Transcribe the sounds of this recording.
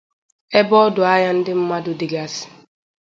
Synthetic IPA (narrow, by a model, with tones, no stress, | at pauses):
ɛ˦bɔ˦dʊ˨a˦ja˦n̩˦dɪ˦m̩˦ma˦dʊ˨dɪ˨ɡa˦sɪ̥˨